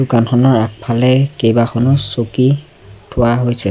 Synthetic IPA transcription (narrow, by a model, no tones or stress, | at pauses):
dukanxʰɔnɔɹak̚pʰalɛkejbaxʰɔnɔsoki | tʰʊwaɦojsɛ